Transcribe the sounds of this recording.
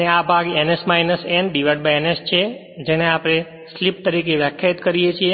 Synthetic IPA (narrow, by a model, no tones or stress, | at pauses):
eabʱaɡenesmajnəsɛnɖiʋəɖ̚baenest͡ʃʰe | d͡ʒeneapɽ̃e | slipt̪əɾikeʋjəkʰjait̪kəɾijet͡ʃʰie